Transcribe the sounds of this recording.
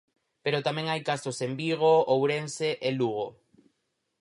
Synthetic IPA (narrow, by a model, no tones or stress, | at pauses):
peɾot̪amẽŋajkasosembiɣ̞oowɾenseʔeluɣ̞o